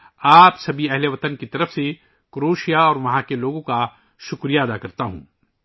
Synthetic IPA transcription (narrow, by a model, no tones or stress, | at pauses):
aːpsɐbʱiɛɦleʋɐt̪ənkit̪ɐɾəfse | kɾoːʃijaɔːɾʋɐɦãkeloːɡõka | ʃʊkɾijaɐd̪akɐɾt̪aɦṵ̃ː